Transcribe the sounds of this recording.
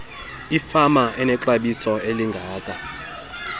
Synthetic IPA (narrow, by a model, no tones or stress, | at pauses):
ifamaɛnɛǁaɓisɔeliŋɡʱaːkʼa